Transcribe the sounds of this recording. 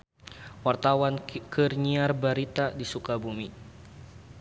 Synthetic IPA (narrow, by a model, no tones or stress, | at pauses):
wart̪awankʰərɲiarbaɾit̪adisukabumi